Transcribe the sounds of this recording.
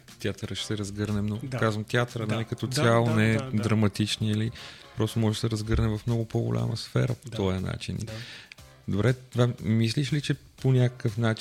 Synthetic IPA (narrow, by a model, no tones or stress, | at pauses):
t̪ʲjat̪əɾəʃt̪ɛɾɐzɡɤɾnɛmnokazvəmt̪ʲjat̪əɾənɛlikɐt̪ɔt̪sjalˠonɛɛd̪ɾɐmɐt̪it͡ʃniəlipɾɔst̪omɔʒɛʃd̪ɛɾɐzɡɤɾnɛvɐfmnɔɡʊpoɡʊ̰lʲʔa̰məsfɛ̰ɾə̰po̥t̪ɔjəna̰t͡ʃḭnḭ | d̪obɾɛt̪vamisliʃlit͡ʃɛ | ponʲakə̥kəfnat͡ʃ